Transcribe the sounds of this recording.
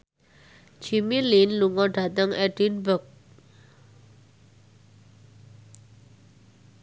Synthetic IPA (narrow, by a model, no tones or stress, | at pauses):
d͡ʒimilinluŋɔɖat̪əŋɛɖ̥inbək̚